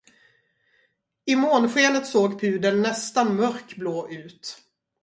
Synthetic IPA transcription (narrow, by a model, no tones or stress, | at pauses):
ɪmoːnɧeːnət̪soːɡpʰʉ̟ːd̪ənːɛst̪anmœɾkbloːʔʉ̟ːt̪